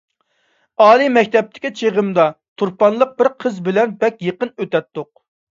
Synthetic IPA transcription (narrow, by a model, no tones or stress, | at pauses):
ɑːlˠimɛkʲt̪ʰɛp̚t̪ʰɪ̥kʲit͡ʃʰeʁəmd̪ɑ | t̪ʰuɾpɑnlˠəq̚bɪɾqʰəzbɪlɛnbɛkʲjeqənøt̪ɛt̪ːʊq̚